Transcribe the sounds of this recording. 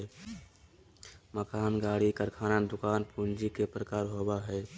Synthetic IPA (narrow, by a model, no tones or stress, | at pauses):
məkaːnɡaːɽikəɾkʰaːnad̪ʊkaːnpʰuːnd͡ʒikepɾəkaːɾɦoːbaɦɛː